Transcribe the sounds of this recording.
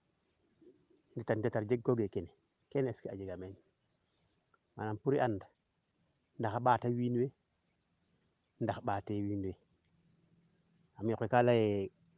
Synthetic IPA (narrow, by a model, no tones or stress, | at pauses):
nditandetaɾd͡ʒeɡ̚koɡekene | keneskiad͡ʒeɡamen | ma̰ampuɾiʔanda | ndaxaɓatawinwe | ndaxaɓatewinwe | amjokʷekalaje